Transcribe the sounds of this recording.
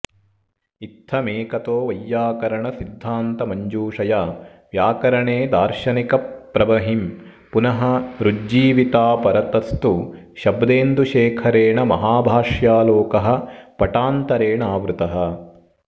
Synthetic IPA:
it̪ʰːɐmeːkɐt̪oːʋɐjːaːkɐɾɐɳɐsid̪ʱːaːnt̪ɐmɐɲd͡ʒuːʂɐjaː | ʋjaːkɐɾɐɳeːd̪aːɾʃɐnikɐpɾɐbɐɦim | punɐɦɐ̆ɾud͡ʒiːʋit̪aːpɐɾɐt̪ɐst̪u | ʃɐbd̪eːnd̪uʃeːkʰɐɾeːɳɐmɐɦaːbʱaːʂjaːloːkɐɦɐ̆pɐʈaːnt̪ɐɾeːɳaːʋɾut̪ɐɦɐ̆

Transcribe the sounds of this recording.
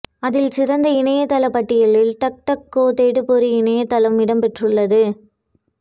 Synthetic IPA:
ɐðɪlsɪrɐnd̪ɐɪnɐjɐt̪ɐlɐpːɐʈːɪjɐlɪlʈ̪ɐk̚ʈɐkːoːt̪eːɽɯpɔɾɯɪnɐjɐt̪ːɐlɐmɪɽɐmpɛʈrɯɭːɐðɯ

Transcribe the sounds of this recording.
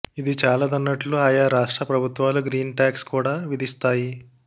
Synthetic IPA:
id̪it͡ʃaːlɐd̪ɐnːɐʈluaːjaːɾaːʂʈɾɐpɾɐbʱut̪ʋaːluɡɾiːnʈaːkskuːɽaːʋid̪ist̪aːji

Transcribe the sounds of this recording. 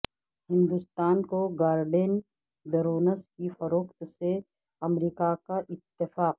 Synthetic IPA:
hɪ̃nd̪ʊst̪aːnkoɡaːɾɖen | d̪ɐɾoːnəskifɐɾoːkt̪se | ɐmɾiːkakaʔɪt̪ːɪfaːq̚

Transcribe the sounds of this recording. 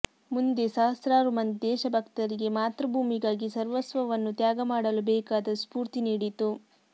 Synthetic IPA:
mund̪esaːɦɐst̪ɾaːɾumɐnd̪ɛːʃɐbʱɐkt̪ɐɾiɡe̞maːt̪ɾɐbʱuːmiɡaːɡisɐɾʋɐsʋɐʋɐnːut̪jaːɡɐmaːɽɐlubɛːkaːd̪ɐspuːɾt̪iniːɽit̪u

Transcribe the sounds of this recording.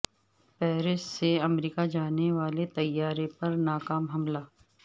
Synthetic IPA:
pɛːɾɪsseɐmɾiːkad͡ʒaːneʋaːlet̪ɐjːaːɾepɐɾnaːkaːmɦɐmlaː

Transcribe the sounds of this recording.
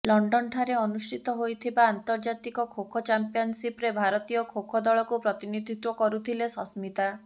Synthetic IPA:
lɔɳɖɔɳʈʰaɾeɔnusʈʰit̪ɔɦojt̪ʰibaːnt̪ɔɾd͡ʒat̪ikɔkʰokʰɔt͡ʃampijɔnsipɾebʱaɾɔt̪ijɔkʰokʰɔd̪ɔɭɔkupɾɔt̪inid̪ʱit̪wɔkɔɾut̪ʰilesɔsmit̪a

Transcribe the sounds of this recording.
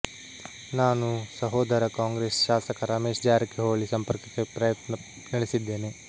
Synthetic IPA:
naːnusɐɦoːd̪ɐɾɐkaːŋɡɾeːsʃaːsɐkɐɾaːmeːʂd͡ʒaːɾɐkːeɦoːɭisɐmpɐɾkɐkːepɾɐjɐt̪nɐ | nɐɽesid̪ːe̞ːne

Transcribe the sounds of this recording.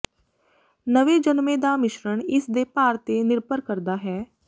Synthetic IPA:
nəʋed͡ʒənmeːd̪amɪʃɾəɳ̃ɪsd̪epaːɾt̪enɪɾpəɾkəɾd̪aɦɛː

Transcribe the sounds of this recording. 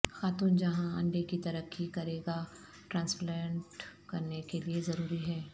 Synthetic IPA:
xaːt̪uːnd͡ʒɐɦãɐ̰̃ɳɖekit̪ɐɾəkːikɐɾeːɡa | ʈɾãːnsplɛ̃ːɳʈkɐɾnekeliezɐɾuːɾiɦɛː

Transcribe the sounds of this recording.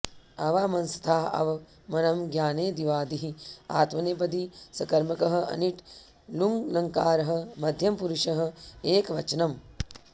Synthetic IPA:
ɐʋaːmɐnsɐ̥t̪ʰaːɐ̰ʋɐ | mɐnɐmɡjaːneːd̪iʋaːd̪iɦia̰ːt̪mɐnep̬ɐd̪isɐkɐɾmɐkɐɦɐ̆ɐ̰niʈ | luŋɡnɐŋkaːɾɐɦɐ̆mɐd̪ʱjɐmpuɾuʃɐɦɐ̆eːkʋɐt͡ʃɐnɐm

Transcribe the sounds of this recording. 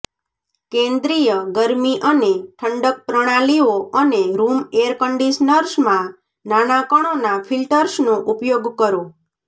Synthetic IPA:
kẽnd̪ɾijəɡəɾmiʔəneʈʰəɳɖək̚pɾəɽ̃alioəneɾumeɾkəɳɖisnəɾʃmã | nanakəɽ̃onafʰilʈəɾsnõʔupjoɡkəɾõ

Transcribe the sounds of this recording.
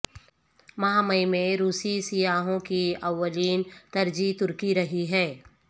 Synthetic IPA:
mɐɦamɐimẽɾuːsisijaːɦõkiɐʋːəliːnt̪ɐɾd͡ʒit̪ʊɾkiɾɐɦiɦɛː

